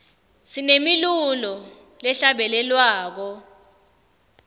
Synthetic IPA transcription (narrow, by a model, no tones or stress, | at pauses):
sinemilulɔ | lɛɬaɓɛlɛlwaːk̬ɔ